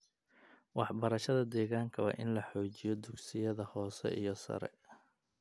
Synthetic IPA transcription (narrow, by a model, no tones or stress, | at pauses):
wɑħbɐɾɐʃɐðɐd̪ɛːɣaːŋkʰɐwɑ̰ːʔɪnlɐħɔːt͡ʃɪjɔd̪ʊɡsɪjɐðɐhɔːsɛ̰ʔijɞsɐ̰ɾɛ̰